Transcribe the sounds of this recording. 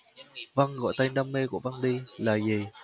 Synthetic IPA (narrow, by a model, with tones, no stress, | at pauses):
va˧ŋɣɔ̰˧˨jt̪a˧jŋɗa˧mːe˧ku˧˩əva˧ŋɗi˧laː˨˩zi˨˩